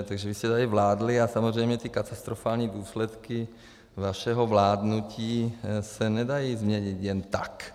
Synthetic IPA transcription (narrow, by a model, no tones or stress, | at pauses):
t̪aɡʒɛʋiscɛt̪alivlaːd̪liasamozrɛjmɲɛt̪ikat̪ast̪ɾɔfaːlɲiːd̪uːslɛt̪ki | ʋaʃɛɦɔvlaːd̪nuciːsɛnɛd̪ajiːzmɲɛɲit̪jɛnt̪ak